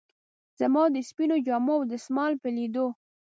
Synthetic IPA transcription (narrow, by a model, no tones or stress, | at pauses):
z̥amɑd̪əspinod͡ʒɑmowd̪əsmɑlpəlid̪o